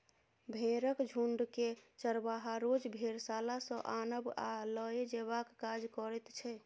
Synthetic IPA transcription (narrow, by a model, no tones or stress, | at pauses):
bʱẽɾəkd͡ʒʱuɳɖket͡ʃəɾbaɦaɾod͡ʒbʱeɾsalasə̃ʔanəbaləed͡ʒeβakːad͡ʒkɔɾɛt̪t͡ʃʰɛ